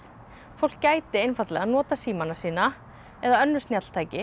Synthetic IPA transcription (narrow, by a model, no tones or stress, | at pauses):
fowl̥kːaːjt̪ɪejnfat̪lɛɣaðnɔːt̪asiːmanasiːna | ɛðaœnːʏst̪njat̪l̥t̪ʰaːjcɪ